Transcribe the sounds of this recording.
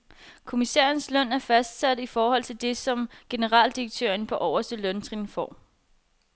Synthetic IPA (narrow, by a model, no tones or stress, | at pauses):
kʰo̝misḛːɐnslœn̰æɐfæsd̥sæd̥əifɒːhɒ̽l̰t͡sʰe̝ld̥e̝sɒ̽mɡ̥e̝nəʁɑ̰̈ːld̥iʁeɡ̥̚t͡sʰø̰ːɐnpʰɒ̽ʔɒʊ̰ɐsd̥əlœnt͡sʰʁinfɒ̰ː